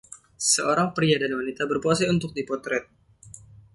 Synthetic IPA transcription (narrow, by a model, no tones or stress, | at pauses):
səʔoɾaŋpɾiadaɾiwanit̪abərpuasajunt̪ʊk̚dipɔt̪ɾɛt̪̚